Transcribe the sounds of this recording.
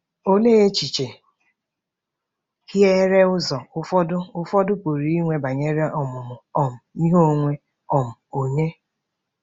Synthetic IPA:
o˦ne˦e˦t͡ʃi˨t͡ʃe˨ | hi˦e˦ɾe˦ʊ˦zɔ˨ʊ˦fɔ˦dʊ˦ʊ˦fɔ˦dʊ˦po˨ɾi˦i˦ŋʷe˦ba˨ɲe˦ɾe˦ʔɔ˨mʊ˨mʊ˨ɔ˨m̩˨i˦ɦo˦˨ŋʷe˦ | ɔ˨m̩˨o˨ɲe˦

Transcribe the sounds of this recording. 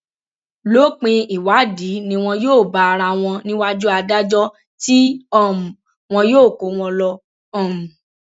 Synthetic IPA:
lo˦˨k͡pĩ˧i˨wa˨˦di˨˦nĩ˧w̃ɔ̃˧joː˦˨ba˧ɾa˧w̃ɔ̃˧nĩ˦wa˦d͡ʒu˦a˧da˦d͡ʒɔ˦ | ti˦ɔ˦˨m̩˨ | w̃ɔ̃˧joː˦˨ko˨˦w̃ɔ̃˧lɔ˧ | ɔ̃˦˨m̩˨

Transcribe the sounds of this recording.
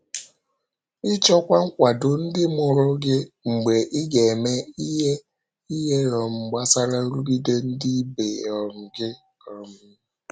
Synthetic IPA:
ɪ˦t͡ʃɔ˦kʷa˦ŋ̩˦kʷa˨dʊ˨n̩˦dɪ˦mʊ˨ɾʊ˦ɡɪ˦ŋ͡m̩˨ɡ͡be˨ʔɪ˦ɡe˨e˨me˦i˦ɦe˦ | i˦ɦe˦ɾɔ˨m̩˨ɡ͡ba˦sa˦ɾa˦ɾu˦ɡi˦de˦n̩˦di˦be˨ɔ˨ɾ̩˨ɡɪ˦ | ɔ˨mʊ˨

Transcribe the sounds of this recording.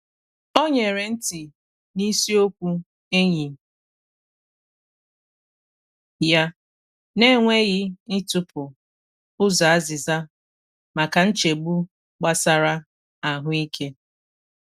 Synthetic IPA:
o˦ɲe˨ɾe˨n̩˦ti˨ | ni˦si˦o˦kʷu˦ | e˦ɲi˨ | ja˦ | ne˦ŋʷe˦ɣɪ˦ɪ˦tʊ˦pʊ˨ | ʊ˦za˨a˦zɪ˨za˦ | ma˨ka˨n̩˦t͡ʃe˨ɡ͡bu˦ | ɡ͡ba˦sa˨ɾa˦ | a˨ɦʊ˦i˦kʰe˦

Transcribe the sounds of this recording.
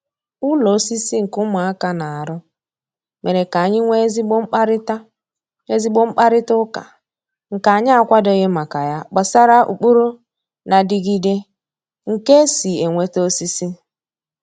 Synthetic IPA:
ʊ˦lo˨˦si˦si˦ŋ̩˨kʊ˦mʊ˨a˦ka˦na˨a˨ɾʊ˦ | me˨ɾe˨ka˨ɲɪ˦ŋʷe˦zi˦ɡ͡bŋ͡m̩˦k͡pa˦ɾɪ˦ta˦ | e˦zi˦ɡ͡bʊ˦ŋ͡m̩˦k͡pa˦ɾɪ˦tʊ˦ka̰˨ | ŋ̩˨ka˨a˨ɲɪ˦a˨kʷa˦dɔ˨ɣe˦ma˨ka˨ja˦k͡pa˨sa˦ɾa˦ʔṵ˨k͡pu˦ɾu˦ | na˨dɪ˨ɡi˦de˦ | ŋ̩˨ke˦si˨e˨ŋʷe˦to˦si˦si˦

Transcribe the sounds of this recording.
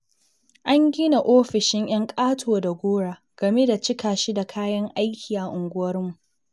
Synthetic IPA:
ʔa˦ŋɡʲi˦na˨ʔoː˦ɸɪ˨ʃɪ˦ŋj̰ɐ˦ŋkʼaː˦tʰoː˨da˨ɡʷoː˦ɽaː˨ | ɡ̥ɐ˨me˦da˨t͡ʃɪ˦kaː˨ʃi˦da˨kʰaː˦jɐ˦ŋʔa˦jkʲʰi˨ʔa˨ʔʊ˨ŋɡʷʊ˦wɐ˦rmu˨ʔ

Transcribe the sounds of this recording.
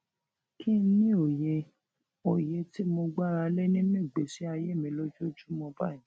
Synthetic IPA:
kʰĩ˦n̩˦nĩ˦o˨je˧ | o˨je˧ti˦mo˧ɡ͡ba˦˨ɾa˧le˦nĩ˦nĩ˦˨ɡ͡be˨si˦a˧je˦˨mĩ˧lo˦d͡ʒo˦˨˦d͡ʒu˦mɔ̃˧ba˦˨ĩ˨

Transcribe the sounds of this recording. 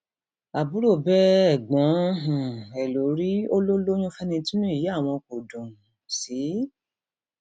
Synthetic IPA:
a˨bu˨˦ɾo˦˨bɛ˦˨ɡ͡bɔ̃˨˦ɦũ˨ɛ˨lo˨˦ɾi˦o˦lo˦lo˦j̃ũ˦fɛ˦nĩ˧ti˦nũ˦i˦˨ji˦a˦˨w̃ɔ̃˧ko˨dũ˨ | si˨˦

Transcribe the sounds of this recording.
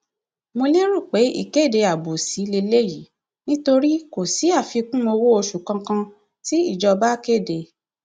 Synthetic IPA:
mo˧le˦ɾu˦˨k͡pe˨˦ḭ˦˨ke˦˨de˧a˨bo˨si˨˦le˧le˦ji˨˦ | nĩ˦to˧ɾi˦ko˨si˨˦a˦˨fi˧kũ˦mo˧wo˦o˧ʃu˨kã˧kã˧ | ti˦i˦˨d͡ʒɔ˧ba˦ke˦˨de˨

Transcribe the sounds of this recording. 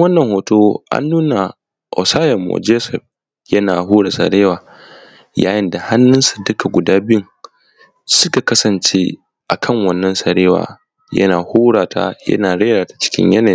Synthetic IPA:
wɐ˦nːɐ˨ŋhoː˨toː˦ʔa̰˦nːuː˦na˨ | ʔɔ̰˨saː˦jɐ˨mːo̰˨d͡ʒeː˦sɛ˨ɸ̚ | jɐ˦naː˨ɦuː˦ɽa˨sɐ̰˨ɾeː˦waː˨ | jaː˦jɪ˦nda˨ha˦nːʊ˦nsa˨dʊ˦ka˨ɡʷʊ˨daː˦bɪ˦ɪ˦ŋ | sʊ˦ka˨kɐ˦sɐ˨nt͡ʃeː˦ | ʔa˨kʰɐ˦˨ŋwɐ˦nːɐ˦nsɐ˨ɾeː˦wa̰ː˨ | jɐ̰˦naː˨huː˦ɽaː˨ta̰˦jɐ̰˦naː˨ɽe˦ɾaː˨tḁ˦t͡ʃɪ̥˦kʲɪ̰˦ɲjɐ˦naː˨˦

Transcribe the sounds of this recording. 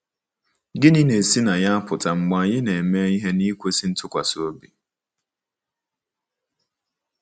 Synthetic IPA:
ɡɪ˦nɪ˦ne˨si˦na˨ja˦pʰʊ˨tʰa˨ŋ͡m̩˨ɡ͡ba˨jɪ˦ne˨e˨me˦i˦ɦe˦ni˦kʷe˦si˦n̩˦tʰʊ˦kʷa̰˨sʊ˦o˦bi˨

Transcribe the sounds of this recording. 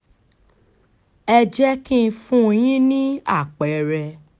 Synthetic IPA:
ɛ˧d͡ʒɛ˦kĩ˦n̩˧fũ˦˧j̃ĩ˦nĩ˦a˦˨k͡pɛ˨˦˨ɾɛ˧

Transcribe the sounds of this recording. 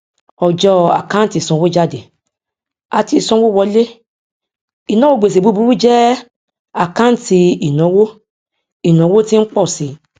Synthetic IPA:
ɔ˨d͡ʒɔ˧a̰˨kã˨˦n˦ti˧˨sɔ̃˧˦wo˦d͡ʒa˦˨de˨ | a˨˧ti˦i˨sɔ̃˧˦wo˦˨wɔ˧˦le˦ | i˨nɔ̃˦wo˦˨ɡ͡be˨s̬e˨bu˦bu˨˧ɾu˦d͡ʒɛ˦ | a˨kã˦ti˧i˨nɔ̃˨˦wo˦ | i˨nɔ̃˨˦wo˦ti˦n̩˦k͡pɔ˦˨si˧˦

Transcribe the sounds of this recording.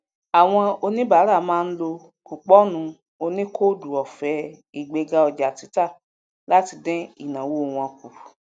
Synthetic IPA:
a˨w̃ɔ̃˧o˧nĩ˦ba˨˦ɾa˦˨mãː˦˧n̩˦lo˧ | ku˨k͡pɔ˦nũ˧ | o˧nĩ˦kʰo˦˨du˨ɔ˨fɛ˨˦ | i˨ɡ͡be˨˧ɡa˧ɔ˧d͡ʒa˨ti˨˦ta˦˨ | la˦ti˧dɛ̃˦ḭ˦˨nã˨wo˦˨w̃ɔ̃˧ku˨ɾu˨

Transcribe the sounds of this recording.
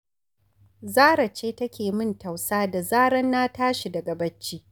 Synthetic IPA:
zaː˦ɾa˨t͡ʃeː˦tɐ˦kʲeː˨mɪ˦nta˨wsaː˦da˨zaː˦ɽɐ˦nːaː˦taː˦ʃi˨dɐ˨ɡɐ˨bɐ˦t͡ʃːiː˦

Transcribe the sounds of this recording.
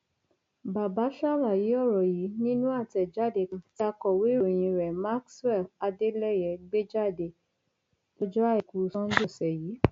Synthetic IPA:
ba˨ba˨˦ʃa˦˨la˨ji˨˦ɔ˦˨ɾɔ˨ji˨˦nĩ˦nũ˦a˦˨tɛ˨d͡ʒa˦˨de˧˨kta˧kɔ˦˨we˨˦ɾo˨j̃ĩ˧ɾɛ˨ma˦kswɛ˦˨fa˧de˦lɛ˦˨jɛ˨˧˦ɡ͡be˦d͡ʒa˦˨de˧˨ | to˦d͡ʒɔ˦a˦i˨ku˨˧sã˦d͡ʒo˦˨sɛ˨jiː˨˦

